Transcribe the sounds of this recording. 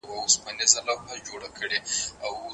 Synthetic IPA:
wawʊspanezalabhad͡ʒoɽakʰəɽeaw

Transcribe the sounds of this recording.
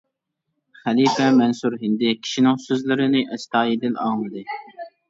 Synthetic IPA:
χælifɛmɛnsuɾɦɪnd̪ɪkʲʰi̥ʃinɪŋsøzlɪɾɪnɪʔɛst̪ʰɑːjed̪ɪlɑ̰ːmɨd̪ɨ

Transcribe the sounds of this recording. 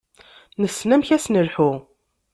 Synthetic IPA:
nəsːnæmçæsnəlħu

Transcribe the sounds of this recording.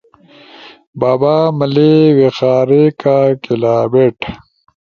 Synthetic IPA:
baːbaːmɐlewexaːɾekaːkelaːbeʈ

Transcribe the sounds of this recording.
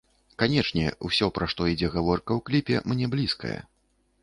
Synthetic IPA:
kanʲɛt͡ʂnʲɛ̰ṵsʲɔpɾʔaʂt̪ɔid͡zʲɛɣavɔrkɐwklʲipʲɛ̰mnʲɛblʲiskɐ̰jɐ̰

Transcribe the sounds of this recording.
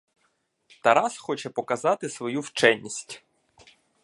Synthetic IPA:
t̪ɐɾɑsxɔt͡ʃɛpɔkɐzɑt̪ɪsʋɔjuwt͡ʃɛnʲːisʲtʲ

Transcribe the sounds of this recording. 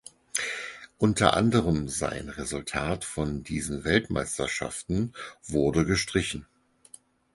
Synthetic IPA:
ʔʊntʰɐ̰ʔa̰ndəʁəmza̰ɪnʁezʊltʰaːtfɔndiːzn̩vɛltma̰ɪstɐʃa̰ftn̩vʊɐdəɡəʃtʁ̥ɪçn̩

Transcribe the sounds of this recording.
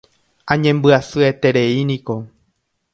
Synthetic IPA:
ãɲẽmbɨasɨe̞t̪e̞ɾe̞inĩko̞

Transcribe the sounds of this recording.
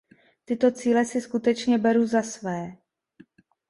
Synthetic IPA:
t̪ɪt̪o̞t͡siːlɛsɪskut̪ɛt͡ʃɲɛbɛɾuzasvɛː

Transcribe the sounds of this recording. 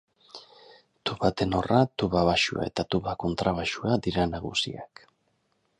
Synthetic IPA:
t̪uβat̪e̞no̞rat̪uβaβaʃua̰e̞̰t̪at̪uβako̞nt̪ɾaβ̞aʃuad̪iɾanaɣ̞ṵsia̰k

